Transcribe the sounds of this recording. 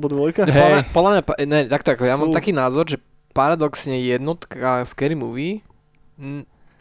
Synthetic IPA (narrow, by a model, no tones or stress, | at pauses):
bɔd̪ʋɔjkaɦɔlmɲapɔd̪lamɲapɲɛt̪akt̪ɔakɔɛjamaːmt̪akiːnaːzɔɾʒɛ | paɾad̪ɔksɲɛjɛd̪nɔt̪kaskɛɾiːmuʋi | n̩